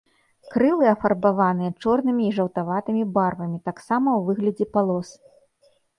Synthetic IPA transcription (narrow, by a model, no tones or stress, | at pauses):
kɾɨlˠɨɐfɐrbavanɨjɐt͡ʂɔrnɨmʲiːʐɐwt̪avat̪ɨmʲibarvɐmʲit̪aksamɐwvɨɣlʲɐd͡zʲɛpalˠɔs